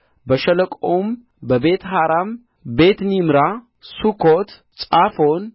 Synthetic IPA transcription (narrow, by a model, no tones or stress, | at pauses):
bəʃələkʼom | bəbe̞t̪ɦaɾam | be̞t̪nimɾa | sukʰot̪ | t͡sʼafon